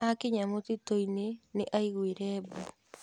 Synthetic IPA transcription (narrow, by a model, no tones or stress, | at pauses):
akeɲamotitoineneʔaiɣweɾɛːbu